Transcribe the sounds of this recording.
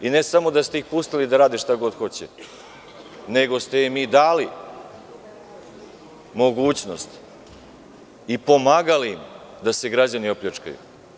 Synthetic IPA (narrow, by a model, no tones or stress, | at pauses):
ine̞samo̞d̪ast̪eixpust̪ilid̪aɾaːd̪iʃt̪aɡo̞d̪xo̞t͡ɕḛ | ne̞ɡo̞st̪eimiːd̪aːli | mo̞ɡuːt͡ɕno̞̰st̪ | ipo̞maːɡaliim | d̪ase̞ɡɾad͡ʑanioplʎʲet͡ʃka̰jṵ